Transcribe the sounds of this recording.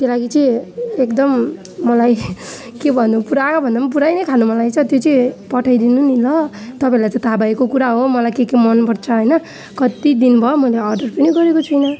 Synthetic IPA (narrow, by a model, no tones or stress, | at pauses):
t̪jʌlaɡit͡sʌĩekd̪ʌmː | ʌlaj | kebʱʌnːupuɾabʱʌnd̪amʌp̬uɾajnʌjkʰanumʌlajt͡sʰʌt̪jot͡sʌĩpʌʈʰajd̪inunilʌt̪ʌpaĩlajt͡sʌĩt̪ʰabaekokuɾaɦomʌlajkekemʌnpʌrt͡sʰʌɦʌjnʌ | kʌt̪id̪inbʱʌomʌjleʌrɖʌrpʌniɡʌɾekot͡sʰʌjnʌ